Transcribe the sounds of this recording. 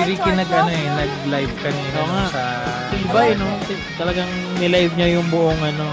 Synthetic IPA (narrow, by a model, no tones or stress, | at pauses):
ɪɾikɪnɐɡɐnoɛnɐɡlajvkɐnɛnoŋaʔsɪlbajnot̪ɪ | t̪ɐlɐɡaŋ | mɪlajvɲajʊŋbʊʔoŋʔɐno̞